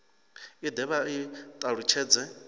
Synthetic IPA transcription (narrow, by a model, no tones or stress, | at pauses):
id̪ɛβait̪ʼaɺut͡ʃʰɛːd͡zɛ